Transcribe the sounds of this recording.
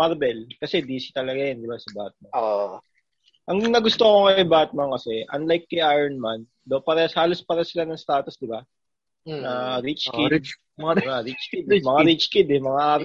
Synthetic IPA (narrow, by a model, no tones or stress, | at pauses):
maɾbɛlkɐsɛd̪iːsi̥t̪ɐlɐɡajɐnd̪ɪbasɐbat̪̚mɐo | ʔɐŋnɐɡʊst̪okokɐɐjbat̪̚mɐŋkɐsɛʔɐnlajkːɐjʔajɾɐnmɐn | d̪opaɾɐshaːlospaːɾɐsɪlanɐŋst̪aːt̪osd̪ɪba | nɐɾit͡ʃkɪ | aɾit͡ʃkɪd̪mɐŋaɾit͡ʃkɪd̪ɛmɐŋaʔaːɾ